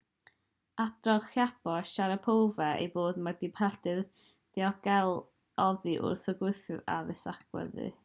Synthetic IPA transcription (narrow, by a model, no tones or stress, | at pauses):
ad̥rɔɡχjab̥ɔʃaɾəpʰowvɛḛjboːdmadipʰɛd̥ɨð | d̥iɔɡ̥ɛlˠ | ɔvɨʔʊ̰rθəɡwʊɨθɨva̰ðɪsakwɛ̰ðɨ̰